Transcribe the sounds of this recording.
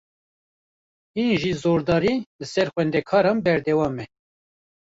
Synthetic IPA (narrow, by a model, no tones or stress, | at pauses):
hinʒizoːɾd̪ɑːɾilɨsɛɾxʷɛnd̪ɛkʰɑːɾɑːnbɛɾd̪ɛwɑːmɛ